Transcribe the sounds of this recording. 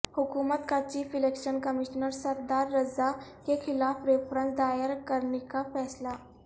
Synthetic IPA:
hʊkuːmət̪kat͡ʃiːfɪlekʃənkəmiʃnəɾsəɾd̪aːɾːɐzakexɪlaːfɾefɾə̃nsd̪aːjəɾkəɾnekafɛːsla

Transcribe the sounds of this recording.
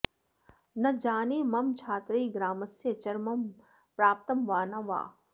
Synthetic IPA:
nɐd͡ʒaːniːmɐmt͡ʃʰaːt̪ɾiːɡɾaːmɐsjɐt͡ʃɐɾmɐm | pɾaːp̚t̪ɐmʋaːnɐʋa̰ː

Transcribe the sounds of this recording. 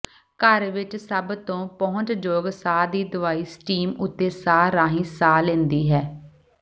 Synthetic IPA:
kəɾʋɪt͡ʃsəbt̪õːpɔːʊ̃t͡ʃd͡ʒoːɡsaːd̪iːd̪ʊʋaːiːsʈiːmʊt̪ːeːsaːɾaːɦĩːsaːlẽːnd̪iːɦɛː

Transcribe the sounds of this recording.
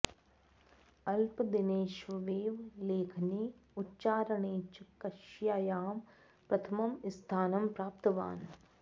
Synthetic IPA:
ɐlpd̪ineːʃʋɐʋeːʋleːkʰniːʊtːʃaːɾɐɳeːt͡ʃkɐʃjaːjaːm | pɾɐt̪ʰɐmɐmɪst̪ʰaːnɐmpɾaːp̚t̪ɐʋa̰ːn

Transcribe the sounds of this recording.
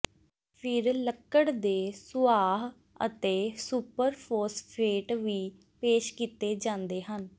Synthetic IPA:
pʰɪɾləkːəɽd̪eːsʊaːɦ | ə̰t̪eːsuːpəɾpʰoːspʰeːʈʋiː | peːʃkiːt̪eːd͡ʒãːnd̪eːɦən

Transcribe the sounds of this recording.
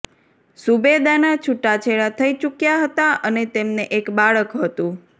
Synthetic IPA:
subed̪anat͡ʃʰuʈːat͡ʃʰeɭat̪ʰəit͡ʃukjaɦət̪aʔənet̪emneʔekbaɭəkɦət̪ũ

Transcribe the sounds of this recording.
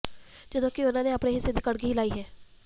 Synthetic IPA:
d͡ʒɐd̪õːkiʊnõːneɐpneɦɪsed̪ɪkɐɽɡiɦilaːiɦɛː

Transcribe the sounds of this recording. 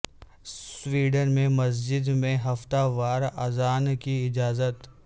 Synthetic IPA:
swiːɖənmẽmɐs̬d͡ʒɪd̪mẽɦɐft̪aʋaːɾɐzaːnkiɪd͡ʒaːzət̪

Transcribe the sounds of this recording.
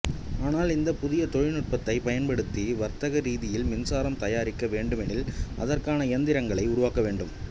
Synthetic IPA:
aːnaːlɪnd̪ɐpʊðɪjɐt̪ɔɻɪnɯʈ̚pɐt̪ːɐɪpɐjɐnpɐɽɯt̪ːiʋɐɾt̪ɐɣɐɾiːðɪjɪlmɪnsaːɾɐmt̪ɐjaːɾɪkːɐʋeːɳɖɯmɛnɪlɐ̰ðɐrkaːnɐɪɐnd̪ɪɾɐŋɡɐɭɐɪʊɾʊʋaːkːɐʋeːɳɖɯm

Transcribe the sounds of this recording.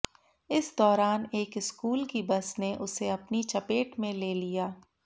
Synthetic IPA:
ɪsd̪ɔːɾaːneːkɪskuːlkibɐsneʔʊseɐpnit͡ʃɐpeːʈmẽleːlijaː

